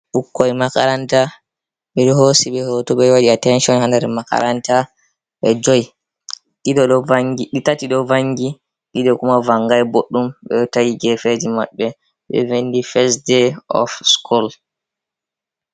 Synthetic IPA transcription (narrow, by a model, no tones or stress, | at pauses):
ɓukːɔjmaka̰ɾanta | ɓɛɗɔhosiɓɛhotɔɓɛwaɗiatɛnʃɔnhandɛɾmaka̰ɾʔanta | ɓɛd͡ʒɔj | ɗiɗɔɗɔvaŋɡiɗitatiɗɔvaŋɡi | ɗiɗɔkumavaŋɡajboɗːumɓɛtajiɡɛfed͡ʒima̰ɓːɛ | ɓɛ̰venːdifɛs̬deɔ̰fskʰɔl